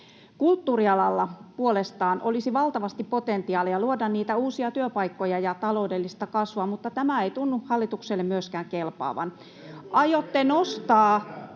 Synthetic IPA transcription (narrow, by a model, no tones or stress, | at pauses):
kult̪ːuːriɑlɑlːɑpuolest̪ɑːnʔolisiʋɑlt̪ɑʋɑst̪ippot̪ent̪iɑːlijɑluodɑnniːt̪æuːsiɑt̪yøpɑikːojɑjɑt̪ɑlo̞udelːist̪ɑkɑsʋuɑmut̪ːɑt̪æmæeit̪unːuhɑlːit̪ukselːemmyøskæːŋkelpɑ̰ːʋɑ̰n | ɑjot̪ːenost̪ɑː